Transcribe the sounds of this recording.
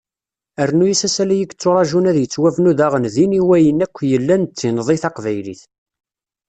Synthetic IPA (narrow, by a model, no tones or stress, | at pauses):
əɾnujisæsælæjəɡt͡sːʊɾˤɑʒunæðjət͡sːwævnuðæʁənðiniwæjənækʷːjəlːænt͡sːinəðˤiθɑqvæjlḭθ